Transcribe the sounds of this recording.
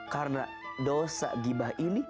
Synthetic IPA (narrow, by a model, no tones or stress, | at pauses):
kaɾna̰ | dosa̰ɡibahini